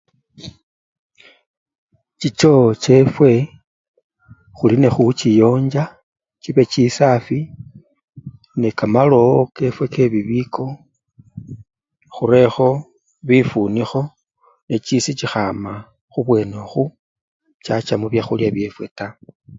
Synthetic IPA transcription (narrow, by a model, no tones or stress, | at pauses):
t͡ʃit͡ʃo̞t͡ʃe̞fwe̞ | xuline̞xut͡ʃijo̞ːɲd͡ʒa | t͡ʃiβe̞t͡ʃisafi | nekamalo̞ke̞fwe̞ke̞βiβikʰo̞ | xuɾe̞xo̞ | βifunixo̞ | ne̞t͡ʃisit͡ʃixama | xuβwe̞noxu | t͡ʃat͡ʃamuβjaxuljaβje̞fwe̞ta